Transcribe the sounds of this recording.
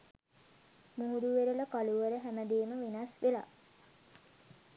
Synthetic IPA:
muɦuɾuʋeɾələkaluʋəɾəɦæməd̪eːməʋinasʋela̰

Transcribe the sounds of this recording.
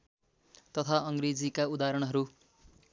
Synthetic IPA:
t̪ʌt̪ʰaʌŋɡred͡zikaud̪aɾʌɽ̃ɦʌɾu

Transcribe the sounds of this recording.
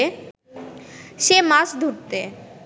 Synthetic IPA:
ʃemaʃd̪ʱuɾt̪e

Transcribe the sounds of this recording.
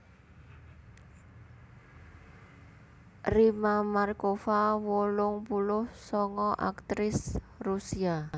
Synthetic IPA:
rimamarkofawolʊŋpulʊhsɔŋɔʔa̰kt̪ɾɪs | rusia

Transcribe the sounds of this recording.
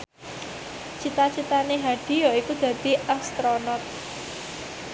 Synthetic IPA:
t͡ʃit̪at͡ʃit̪aneɦaɖ̥i̤jɔikud̪̥ä̤d̪̥i̤ʔast̪ɾonɔt̪̚

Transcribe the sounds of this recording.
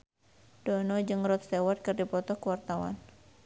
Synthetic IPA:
d̥ɔnɔd͡ʒɨŋrɔt̪̚st̪ewat̪̚kɨrdipɔt̪ɔkəwart̪awa̰n

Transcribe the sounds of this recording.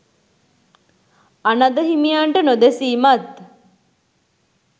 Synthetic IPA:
anɐd̪əɦimijaɳʈənod̪esiːmat̪

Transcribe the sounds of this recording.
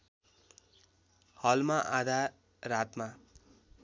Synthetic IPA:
hʌlmaʔad̪ʱa | rat̪ma

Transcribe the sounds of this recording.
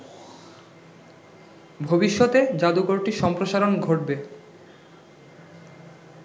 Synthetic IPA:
bʱobiʃːot̪ed͡ʑad̪ukoɾʈiʃɔmpɾoʃaɾonɡʱoʈ̚be

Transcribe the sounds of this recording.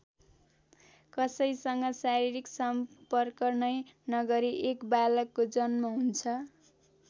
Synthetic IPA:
kʌsʌjsʌŋɡʌsaɾiɾiksʌmpʌrkʌrnʌjnʌɡʌɾiʔekbalʌkːod͡zʌnmaɦunt͡sʰʌ

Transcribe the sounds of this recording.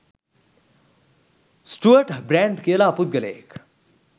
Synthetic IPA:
sʈuəʈbɾɛ̃ːɳɖkeɐlaːpʊt̪̚ɡɐlḛːk

